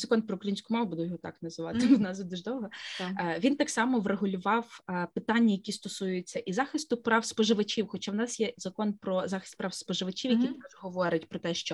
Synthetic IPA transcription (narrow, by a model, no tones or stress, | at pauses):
zɐkɔnpɾɔʊkɾɐjinʲsʲkʊmɑʋʊbud̪ʊjɦɔt̪ɑknɐzɪʋɑt̪ɪnɑzɔd̪uʒd̪ɔwɦɔʋʲint̪ɑksɑmɔʋreɦʊlʲʊʋɑwpɪt̪ɑnʲːɐjɐkʲist̪ɔsujʊjɪt͡sʲːɐʔizɑxɪst̪ʊpɾɑwspɔʒɪʋɐt͡ʃʲiwxɔt͡ʃɑwnɑsjɛzɐkɔnpɾɔzɑxɪ̥st̪pɾɑwspɔʒɪʋɐt͡ʃʲiwjɐkit̪ɔʒɦɔʋɔɾʲɐtʲpɾɔt̪ɛʃt͡ʃɔ